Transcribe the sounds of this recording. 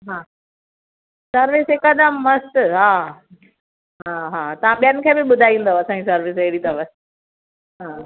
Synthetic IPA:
ɦaː | sɐɾʋɪsɦɪkɐd̪əmːɐst̪ɦaː | ɦaːɦaːt̪ɐʋ̤ãɓijənɪ̆kʰeːbɪɓʊd̪ʱaːĩn̆d̪oɐsãɲd͡ʑisɐɾʋɪsɪɦɪɽit̪ɐʋəs | ɦaː

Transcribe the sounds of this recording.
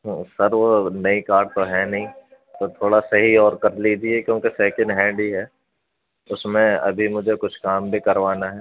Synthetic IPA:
ɦsɐɾʋonɐikaːɾɖ̚t̪oɦɛnɐɦĩ | t̪ot̪ʰoːɽasɐɦiɔːɾkɐɾlid͡ʒiekjõːkesɛːkɪ̃ɳɖɦɛ̃ːɳɖiɦɛː | ʊsmẽɐ̰bʱimʊd͡ʒʱekʊt͡ʃʰkaːmbʱikɐɾʋaːnaɦɛː

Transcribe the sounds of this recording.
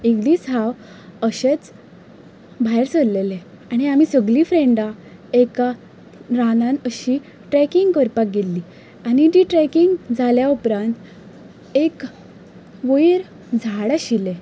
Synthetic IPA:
ikd̪isaʋ | əɕet͡s | bʱajɾsəɾlele | aɽ̃iamisəɡlifɾeɳɖaeka | ɾanãnəɕi | ʈɾɛkiŋɡkəɾpak̚ɡelːiː | aɽ̃id͡ʑiʈɾɛkiŋɡd͡zʱaljaupɾãnt̪ | ek | ʋəjɾ | d͡zʱaɽaɕile

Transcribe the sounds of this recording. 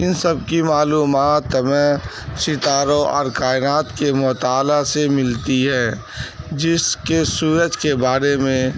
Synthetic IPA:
ɪnsəbkimaːluːmaːt̪mɛ̃ː | ʃɪt̪aːɾõʔɔ̰ːɾkaːɪnaːt̪kemɔt̪aːlasemɪlt̪iɦɛː | d͡ʒɪskesuːɾəd͡ʒkebaːɾemẽ

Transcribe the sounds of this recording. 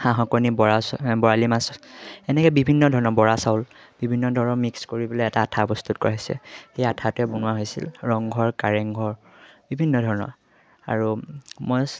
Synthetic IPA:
hãɦɔkɔnibɔɹasbɔɹalimasɛnɛkɔjbibʱinːɔdʱɔɹɔnɔbɔɹasaʊl | bibʱinːɔdʱɔɹɔnɔmikskoɹibɔleɛtaːtʰapɔst̪utkɔɹaɦɔsɛ̰xejatʰatʊɛbɔnʊaɦojsḭlɹɔŋɡʱɔɹkaɹɛŋɡʱɔɹ | bibʱinːɔdʱɔɹɔnɔ̰ɹ | a̰ɹumɔj

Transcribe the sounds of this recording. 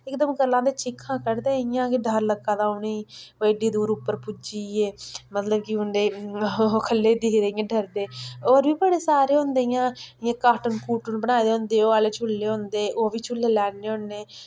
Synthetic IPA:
ɪkd̪əmɡəlːãːd̪eːt͡ʃɪkʰːãːkəɾd̪eːɪjãːkiɖʱəɾləkːãːd̪aːoniːʋeːɖiːd̪uːɾʊpːəɾpʊd͡ʒiːeːmət̪ləbkiʊnd̪eː | kʰəlːeːd̪ɪːkd̪eːɪjãːɖəɾd̪eːoːɾbiːbəɽeːsaːɾeːʊ̃nd̪eːjãːɪjãːkaːʈənkuːʈənbəñaːd̪eːɦõnd̪eːoːaːleːt͡ʃʰʊlːeːɦõnd̪eːʔoːʋiːt͡ʃʰʊlːeːlɛːnːeːʊ̃nːeː

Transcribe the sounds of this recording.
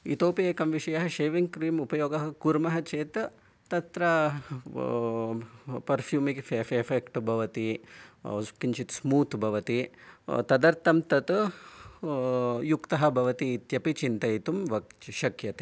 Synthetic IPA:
ḭt̪oːpieːkɐmʋiʃɐjɐɦɐ̆ʃeːʋiŋɡkɾiːmupɐjoːɡɐɦɐkuɾmɐɦɐt͡ʃeːt̪ | t̪ɐt̪ɾɐ | pɐɾfʰjuːmikfeffekʈbʱɐʋɐt̪i | skiɲt͡ʃit̪smuːt̪bʱɐʋɐt̪it̪ɐd̪ɐɾt̪ɐmt̪ɐt̪ɨ | jukt̪ɐɦɐ̆bʱɐʋɐt̪iːt̪jɐpit͡ʃint̪ɐjt̪umʋɐkʃɐkjɐt̪e̥

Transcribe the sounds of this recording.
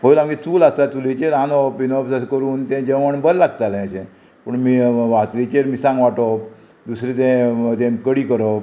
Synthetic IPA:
pəlamɡit͡suːlast̪at̪ulit͡ɕeɾanɔpːinɔbsaskəɾuːnt̪ɛ̃d͡ʑəʋəɳbəɾlaɡt̪alɛ̃əɕẽ | pəɳmiːʋat͡slit͡ɕeɾmiːsãŋɡʋaʈɔp̚ | d̪usɾit̪̬ɛ̃t̪ɛ̃kəɽiːkəɾɔp

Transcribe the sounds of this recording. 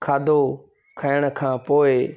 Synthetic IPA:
kʰaːd̪oː | kʰaɪɽ̃kʰãːpoːɪ

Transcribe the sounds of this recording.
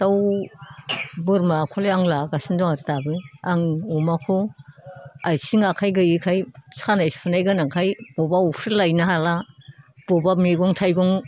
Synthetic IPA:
taw | bɯɾmakʰɔleaŋlaɡasindɔŋaɾtabɯjaŋɔmakʰo | ajsiŋakʰajɡɯikʰajsanajsunajɡanakʰajb̥ɔbaupʰɯlajnaɦalab̥ɔbamiɡɔŋtʰajɡɔŋ

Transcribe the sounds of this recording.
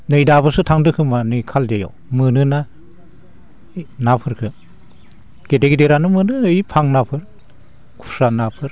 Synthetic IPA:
nɯjdabɯsɯtʰaŋdɯkʰɯmanɯjkʰaldejo̰ | mɯnɯna | napʰɯɾkʰɯ | ɡ̥edeɡideɾanɯmɯnɯjpʰaŋnapʰɯɾ | kʰu̥sanapʰɯɾ

